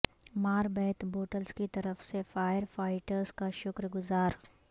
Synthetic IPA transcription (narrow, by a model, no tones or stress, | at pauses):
maːɾbɛːt̪boːʈəlskit̪ɐɾəfsefaːjəɾfaːɪʈəɾzkaʃʊkɾɡʊzaːɾ